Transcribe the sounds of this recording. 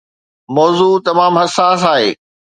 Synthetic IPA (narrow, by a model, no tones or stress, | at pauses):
mɔːzuːt̪ɐmaːmɦɐsaːs̬aːɦeː